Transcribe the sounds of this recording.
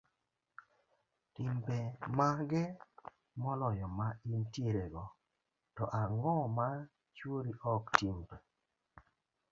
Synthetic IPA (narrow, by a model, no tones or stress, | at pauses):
timbemaɡɛ | mɔnɔjɔmaintjeɾeɡɔ | tɔʔaŋɔma | t͡ʃwoɾiʔɔktimbe